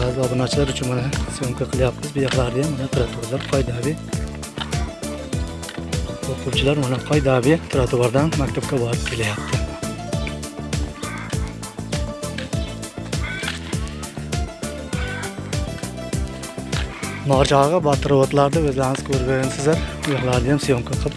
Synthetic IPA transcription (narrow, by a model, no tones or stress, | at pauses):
bazɪɒd̪ɪmat͡ʃʰɪlaɾʊt͡ʃʰʊnmanasoŋqʲʰɪqʰɨlˠjap̚t̪ɪzbɪjaχlˠaɾd̪ɪjanmanat̪ʰɪɾat̪ʰuɾlaɾqʰɒjd̪abɪ | oqʰʊwt͡ʃʰɪlaɾmanaqʰɒjd̪abɪt̪ʰɾat̪ʰʊwaɾd̪anmakʲt̪ʰapkʲabɒɾɪp̚kʲʰe̞lajap̚t̪ʰɪ | mɒɾd͡ʒɑʁɑbat̪ʰɨɾwɔt̪laɾd̪aɵzlaɾɪŋɪz̥kʰɵɾɡaɡʲansɪzlaɾʊjɑχlˠaɾd̪ɪjamsijoŋkʰʲaqʰɨlˠp